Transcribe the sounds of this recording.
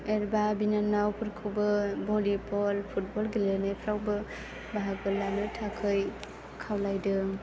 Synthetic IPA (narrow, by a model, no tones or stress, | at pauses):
eɾbabinanːawpʰɯɾkʰɯwbɯbɔlipɔlpʰut̚bɔlɡilenepʰɾawbɯ | baɦak̚bɯlanɯtʰakʰɯj | kʰawlajdɯ